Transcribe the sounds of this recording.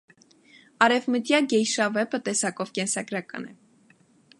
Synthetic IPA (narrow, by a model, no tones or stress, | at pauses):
ɑɾɛvmət̪jɑɡɛjʃɑvɛpət̪ɛsɑkɔvkɛnsɑɡɾɑkɑ̰nɛ